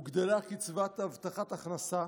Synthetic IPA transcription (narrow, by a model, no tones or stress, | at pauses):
uɡd̪elakit͡svat̪avt̪aχat̪aχnasa